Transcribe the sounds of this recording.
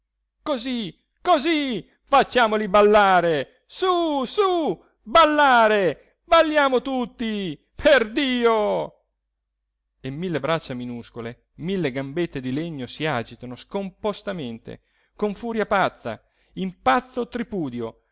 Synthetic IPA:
kozi | kozi | fat͡ʃːaːmolibalːaːɾe | susu | balːaːɾe | balːjaːmot̪ut̪ːi | pʰerd̪iːo | emːilːebɾat͡ʃːaminuskole | milːeɡambet̪ːed̪ileɲːosiaːd͡ʒit̪anoskompost̪ament̪ḛ | koɱfuːɾjapat̪sːa̰ | impat̪sːot̪ɾipuːd̪jo

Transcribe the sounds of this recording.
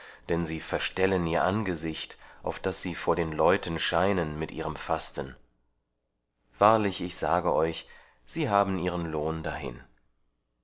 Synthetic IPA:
d̥ɛnziːfɛɐʃtɛləniːɐʔanɡəzɪçtʔa̰ʊfd̥asz̥iːfoːɐɾeːnlɔʏtʰən̩ʃaɪnənmɪtʔḭːʁəmfastən | v̥aːɐlɪçɪçz̥a̰ːɡəʔɔʏç | z̥iːɦaːbn̩ʔiːʁənloːndaɦɪ̰n

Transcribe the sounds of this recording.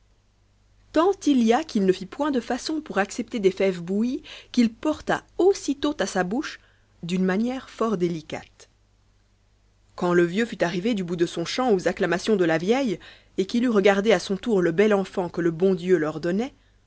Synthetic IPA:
t̪ɑ̃t̪ilijakilnəfipwɛ̃d̪əfasɔ̃puʁaksɛp̚t̪ed̪efɛvbuikilpɔʁt̪a̰osit̪ot̪asabuʃ | d̪ynmanjɛʁfɔʁd̪elika̰t̪ | kɑ̃ləvjøfyt̪aʁived̪ybud̪əsɔ̃ʃɑ̃ozaklamasjɔ̃d̪əlavjɛj | ekilyʁəɡaʁd̪easɔ̃t̪uʁləbɛlɑ̃fɑ̃kələbɔ̃d̪jølœʁd̪ɔnɛ

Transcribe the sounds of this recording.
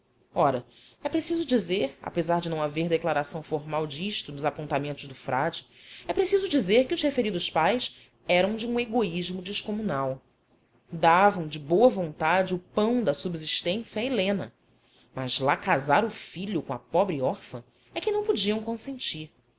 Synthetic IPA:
ɔɾɐ | ɛpɾesizʊd͡ʒizeɾa̰pezaɾd͡ʒɪnɐ̃w̃aveɾd̪eklaɾasɐ̃w̃foɾmawd͡ʒiʃt̪ʊnʊzapõnt̪amẽnt̪ʊʒd̪ʊfɾad͡ʒɪ | ɛpɾesizʊd͡ʒizeɾkɪʊzhefeɾid̪ʊʃpajs | ɛɾɐ̃w̃d͡ʒɪũeɡoiʒmʊd͡ʒɪʃkomunaw | d̪avɐ̃w̃d͡ʒɪbowɐvõnt̪ad͡ʒɪʊpɐ̃w̃d̪ɐsubziʃt̪ẽsjɐaelẽnɐ̰ | mɐzlakazaɾʊfiʎʊkõɐpɔbɾɪɔɾfɐ̰̃ | ɛkɪnɐ̃w̃pod͡ʒiɐ̃w̃kõsẽnt͡ʃiɾ

